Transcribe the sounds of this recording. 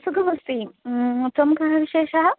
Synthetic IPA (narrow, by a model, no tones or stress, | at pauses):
sukʰɐʋɐst̪it̪ʋɐmkɐɦɐʋiʃeːʃɐɦɐ